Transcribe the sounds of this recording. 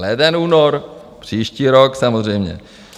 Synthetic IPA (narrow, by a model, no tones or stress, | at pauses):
lɛd̪ɛnuːnoɾ | pr̝̥iːʃciːɾoksamozrɛjmɲɛ̰